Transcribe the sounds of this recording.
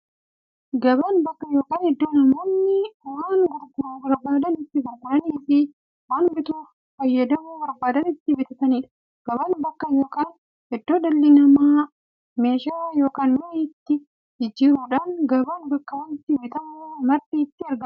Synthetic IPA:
ɡɐbɐnbɐkːɐjo̞ːkaːnhɛd̪ːoːnɐmoːnːɪwaːŋɡʊɾɡʊɾɐbɐɾbaːd̪ɐnɪt̪ːɪɡʊɾɡʊɾɐniːfɪ | waːnbɪt̪uːf | fɐjːɐd̪ɐmuːbɐɾbaːd̪ɐnɪt̪ːɪbɪt̪ɐt̪ɐniːᶑɐ̥ | ɡ̥ɐbɐnbɐkːɐjo̞ːkaːn | hɛd̪ːoːᶑɐlːɪnɐmaː | me̞ːʃaːjo̞ːkaːnmɪnɛt̪ːɪ | d͡ʒɪd͡ʒɪːɾuːᶑaːnɡɐbɐnbɐkːɐwɐnɪt̪ːɪbɪt̪ɐmuːmɐɾt̪iːt̪ːɪɐɾɡɐ

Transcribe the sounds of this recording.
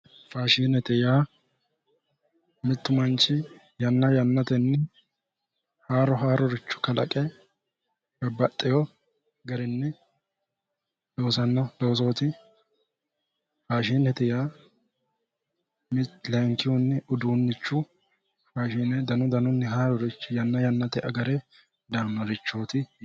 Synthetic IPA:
faːʃiːnɛt̪ɛjaː | mɪt̪ːʊmɐnt͡ʃːɪ | jɐnːɐjɐnːɐt̪ɛnːɪ | haːɾɔɦaːɾɔɾɪt͡ʃːʊ̥kɐlɐ̰kʼɛ | bɐbːɐt̪ʼːɪjɔ | ɡɐɾɪnːɛ | lo̞ːsɐnːɔlo̞ːs̬o̞ːt̪ɪ | haːʃiːnɛt̪ɪja | mɪtlɛŋkːɪjunːɪʊd̪uːnːɪt͡ʃːʊ | haːʃiːnɛd̪ɐnɔd̪ɐnʊnːɪɦaːɾɔɾɪt͡ʃːʊjɐnːɐjɐnːɐt̪ɛʔɐɡɐɾɛ | d̪ɐnːɔɾɪt͡ʃːoːt̪ɪ

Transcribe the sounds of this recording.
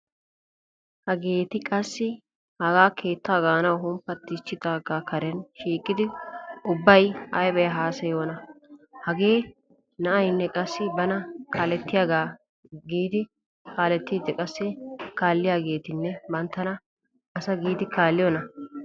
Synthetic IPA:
hɐɡe̞ːt̪ɪkʼɐsːɪ | hɐɡaːkʰe̞ːt̪ːaːɡaːnɐwɦʊmpːɐt̪ːɪt͡ʃːɪt̪aɡaːkʰɐɾɛnʃiːkʼːɪd̪ɪʊbːɐjʔɐjbɛjɐɦaːsɐjo̞ːnɐhɐɡe̞ː | nɐʔɐjnːɛkʼɐsːɪbɐnɐkʰaːlɛt̪ːɪjaːɡaː | ɡiːd̪ɪ | kʰaːlɛt̪ːiːd̪ɪkʼɐsːɪkaːlːɪjaːɡe̞ːt̪ɪnːɛbɐnt̪ːɐnɐ | ɐsɐɡiːd̪ɪkʰaːlːɪjɔnɐ

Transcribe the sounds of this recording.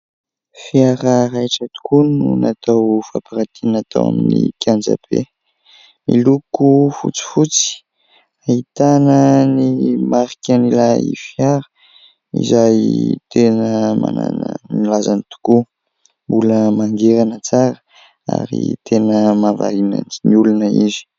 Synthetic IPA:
fiaɾəɾajʈ͡ʂət̪u̥kununat̪awfapaɾat̪inat̪a̰wa̰minikʰʲand͡za̰pḛ | mḭlukufṵt͡si̥fut͡si̥ | ait̪anənimaɾikʲanilaḭfjaɾə̥ | ḭzajt̪enəma̰na̰nmilazanit̪u̥ku | mbuləmaŋɡeɾanət͡saɾə | a̰ɾḭt̪ʰenəmava̰lina̰nniulunəizi̥

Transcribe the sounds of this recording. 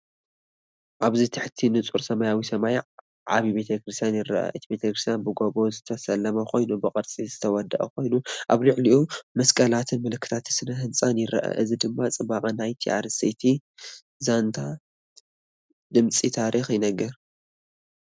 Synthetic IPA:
ʔaβzit̪ʰɨħt̪ʰinɨt͡sʼuɾsɐmɐjawisɐmaj | ʕa̰βibe̞t̪ʰɐkɾɨst̪ʰjanjɪɾɐ̰ʔa̰ʔɨt̪ʰibe̞t̪ʰɐkɾɨst̪janbɨɡo̞βo̞zɨt̪ʰɐsɐlːɐmɐkʰo̞jnubɨqʼɨɾt͡sʼizɨt̪ʰɐwɔd̪ɐʔɐ̰kʰo̞jnuʔaβlɨʕliʔumɐskʼɐlat̪ʰɨnmɨlɨkːɨ̥t̪ʰat̪sɨnɐɦɨnt͡sʼanjɪɾɐ̰ʔɐ̰ʔɨzid̪ɨmːat͡sʼɨbaqʼɐnajt̪ʰiʔa̰ɾsit̪ʰi | zant̪ʰa | d̪ɨmt͡sʼit̪ʰaɾixjɪnɐɡɐɾ

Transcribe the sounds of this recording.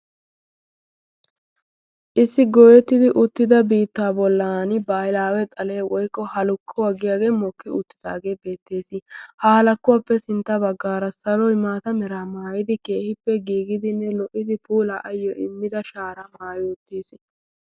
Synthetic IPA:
ʔɪsːɪɡɔːjɛt̪ːɪd̪ɪʔʊt̪ːɪd̪ɐbiːt̪ːaːbɔlːaːnɪbaːjlaːwɛt̪ʼɐle̞ːwɔjkʼːɔhɐlʊkʰːɔwɐɡːɪjaːɡe̞ːmɔkːɪʊ̰t̪ːɪ̥d̪̥a̰ːɡe̞ːbe̞ːt̪ːe̞ːsɪhɐhɐlɐkːʊwaːpːɛsɪnt̪ːɐbɐɡːaːɾɐsɐlɔjmaːt̪ɐmɛɾaːmaːjɪd̪ɪke̞ːhɪpːɛɡiːɡɪd̪ɪnːɛlɔʔːɪd̪ɪpuːlaʔɐjːɔʔɪmːɪd̪ɐʃaːɾɐmaːjoːt̪ːeːsɪ

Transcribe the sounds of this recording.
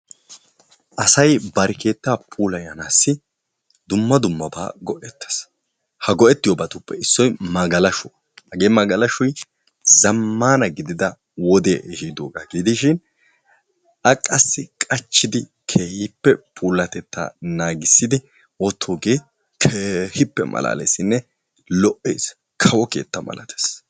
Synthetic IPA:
ʔɐsɐjbɐɾɛkʰe̞ːt̪ːaːpʰuːlɐjɐnaːsːɪ | d̪ʊmːɐd̪ʊmːɐba̰ːɡɔʔɛt̪ːɐ̥s | hɐɡɔʔɛt̪ːɪjɔbɐt̪ʊpːɛɪsːɔjmɐɡɐlɐʃʊ | hɐɡeːmɐɡɐlɐʃʊj | zɐmːaːnɐɡɪd̪ɪd̪ɐ | wɔd̪eːhiːd̪oːɡaːɡɪd̪ɪʃɪn | ɐkʼɐsːɪkʼɐt͡ʃːɪd̪ɪ | kʰeːhɪpːɛpʰuːlːɐt̪ɛt̪ːa̰ːnaːɡɪsːɪd̪ɪ | wɔt̪ʰːoːɡeː | kʰeːhɪpːɛ̰mʔɐ̰la̰ːlḛsɪnːɛ | lɔʔeːs | kʰɐwɔke̞̰ːt̪ːɐmɐ̰lɐt̪ʰe̥s

